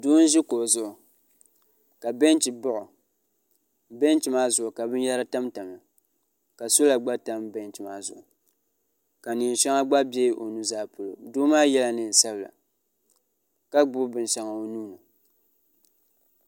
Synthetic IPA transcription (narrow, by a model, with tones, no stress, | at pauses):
doː˦n̩˦ʒɪ˦ko˨zʊ˨ʔʊ˨ | ka˨bɛ˦n˦t͡ʃi˨bʊ˦ʔʊ˨ | bɛ˦n˦t͡ʃi˨maː˦zʊ˨ʊ˨ka˨bɨ˦n˦ja˦ɾa˦ta˦mta˨ma˨ | ka˨so˦la˨ɡ͡ba˦ta˦mbɛ˦nt͡ʃi˨maː˦zʊ˨ʔʊ˨ | ka˨ni˨n˨ʃɛ˦ŋa˦ɡ͡ba˦bɛ˦ʔo˨nu˦zaː˦˨po˨lo˨doː˦maː˦jɛ˦la˨nɨ˦˨n̩˨sa˦bla̰˨ | ka˦ɡ͡bʊ˦bbɨ˨n˨ʃa˨ŋa˨o˨nuː˦na˨